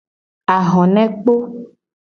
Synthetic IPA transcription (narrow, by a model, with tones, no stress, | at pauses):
a˨ɦɔ̃˨nɛ̃˦k͡po˦